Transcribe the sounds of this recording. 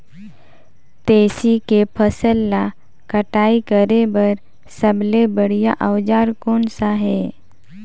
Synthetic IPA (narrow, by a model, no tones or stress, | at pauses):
t̪eːsikepʰəsəlːa | kəʈaːikəɾebɐɾ | səblebəɽijaʔəʋd͡ʒaːɾkɔːnsaɦɛː